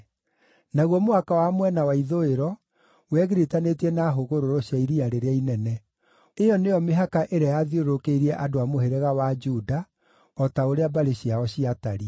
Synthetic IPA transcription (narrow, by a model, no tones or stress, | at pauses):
naɣwɔmoakawamwɛnawaiðoeɾɔ | wɛɣeɾetanetɛnaɦoɣoɾoɾoɕjaiɾiaɾeɾeainɛnɛ | ejɔneɔmeɦakaʔeɾajaðioɾokeiɾɛʔadoamoheɾɛɣawad͡ʒuda | ɔtaoɾeabaɾeɕiaɔɕiataɾi